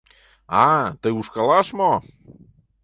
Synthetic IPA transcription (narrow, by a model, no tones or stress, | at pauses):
at̪ɨuʃkalˠaʃmo